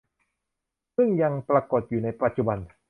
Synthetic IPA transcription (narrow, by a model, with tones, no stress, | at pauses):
sɯ˥˩ŋja˧ŋpɾa˧ko˨˩t̪̚juː˨˩na˧jpa˨t̪̚t͡ɕu˨˩ba˧n